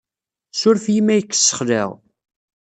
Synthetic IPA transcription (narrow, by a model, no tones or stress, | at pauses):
sʊɾfjimæjəkːə̥sːə̥χlḛʁ